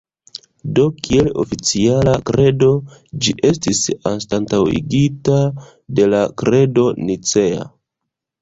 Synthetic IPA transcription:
do̞kʰie̞lo̞̰fit͡sialakɾe̞do̞d͡ʒiʔe̞stisanstantawḭɡita | de̞lakɾe̞do̞nit͡se̞a̰

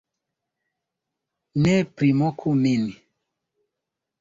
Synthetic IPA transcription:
nɛpɾimɔkʰumini

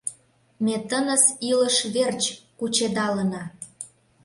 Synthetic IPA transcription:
met̪ənə̆siləʃβert͡ɕkut͡ɕed̪ɑlə̆nɑ

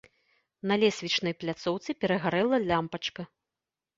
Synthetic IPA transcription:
nɐlʲɛsʲvʲit͡ʂnɐjplʲat̪sɔwt̪sɨpʲɛɾɐɣaɾɛlˠɐlʲampɐt͡ʂkɐ

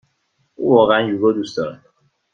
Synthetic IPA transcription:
ṵvɒːɣeænjuɡɔd̪usd̪ɒːɾe

